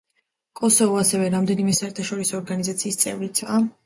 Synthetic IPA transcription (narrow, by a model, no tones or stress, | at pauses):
kʼɔsɔvɔasɛvɛɾamd̪ɛnimɛsaɛɾt̪ʰaʃɔɾisɔːɾɡanizat̪sʰiːst̪sʼɛ̰vɾit̪sʰa